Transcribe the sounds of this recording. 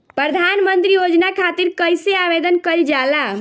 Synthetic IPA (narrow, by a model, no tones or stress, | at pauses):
pɾəd̪ʱanmənt̪ɾijod͡ʒnakʰat̪iɾkəjseabed̪ənkəld͡ʒala